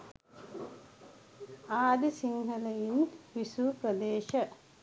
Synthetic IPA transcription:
aːd̪isiŋhɐləinʋisuːpɾəd̪eːʃə

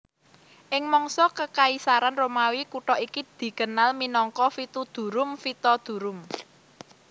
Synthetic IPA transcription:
ʔɪŋmɔŋsɔkəkaisaɾanromawikuʈɔʔikid̪̥i̤kənalminɔŋkɔfit̪ud̪̥ṳɾʊmfit̪ɔd̪̥ṳɾʊm

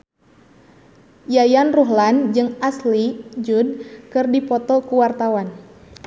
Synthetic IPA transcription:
jajanruɦland͡ʒɨŋaslid͡ʒud̚kɨrdipɔt̪ɔkuwart̪awan

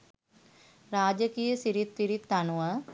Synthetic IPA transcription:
ɾaːd͡ʒəkijəsiɾit̪ːiɾit̪ːanuʋə

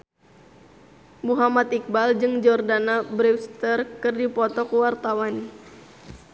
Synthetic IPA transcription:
muɦamat̪ik̚bald͡ʒɨŋd͡ʒɔrdanabɾiwst̪ərkɨrdipɔt̪ɔkuwart̪awan

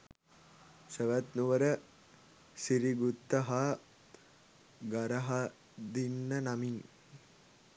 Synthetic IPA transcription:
səʋɐt̪nuʋəɾə | siɾiɡut̪ːɐɦa | ɡɐɾɐɦa | d̪inːɐnɐmiŋ

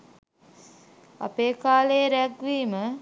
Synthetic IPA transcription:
a̰peːkaːlejːɾæɡʋiːmə

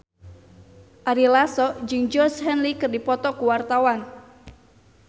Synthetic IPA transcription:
ʔaɾilasɔd͡ʒɨŋd͡ʒɔshɛnlikɨrdipɔt̪ɔkuwart̪awan

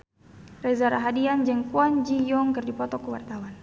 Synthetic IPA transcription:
rɛzaɾaɦadiand͡ʒɛŋkuɔɲd͡ʒijɔŋkɨrdipɔt̪ɔkuwa̰rt̪awan

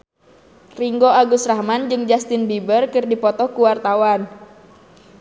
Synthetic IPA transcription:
riŋɡoaɡusrahmand͡ʒɨŋd͡ʒast̪ɪnbibərkɨrdipɔt̪ɔkuwart̪awan

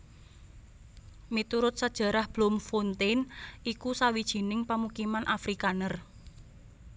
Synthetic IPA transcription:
mit̪uɾʊt̪̚səd̥ʒ̥a̤ɾahb̥lɔmfont̪enikusawid̥ʒ̥i̤nɪŋpamukimanʔafɾikanər

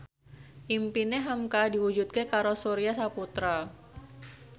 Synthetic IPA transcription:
ʔimpineɦamkadiwud͡ʒut̪̚kekaɾosoɾiasaput̪ɾa

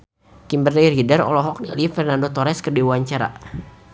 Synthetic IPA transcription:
kimbərdɛrɦidəɾɔ̰lɔɦɔk̚nḭlifɛrnandot̪ɔɾɛskərdiuaɲt͡ʃaɾa̰

